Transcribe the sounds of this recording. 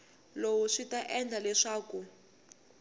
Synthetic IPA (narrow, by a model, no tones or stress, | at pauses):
lowuʂitaʔɛnd͡ɮʱalɛʂaːku